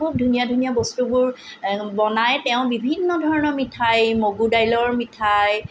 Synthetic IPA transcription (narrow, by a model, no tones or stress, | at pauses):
ub̚dʱunijadʱunijabɔstubʊɹbɔnajtɛʊ̃bibʱinːɔdʱɔɹɔnɔɹmitʰajmoɡudajlɔɹmitʰaj